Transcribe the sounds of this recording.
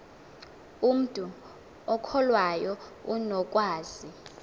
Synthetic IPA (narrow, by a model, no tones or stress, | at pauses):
um̩tʼu | ɔkʰɔlwajɔunɔk̬ʼwaːz̥i